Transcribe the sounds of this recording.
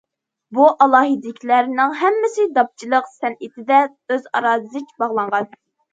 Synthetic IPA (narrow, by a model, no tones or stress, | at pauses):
buʔɑlˠɑːɦɨd̪ɪkʲʰilæɾnɪŋɦɛmːɪsɪd̪ɑp̚t͡ʃʰilˠəqsɛnɪt̪ʰɪd̪ɛ | øzɑ̰ɾɑːzɨɨt͡ʃʲbɑʁlˠɑɴʁɑn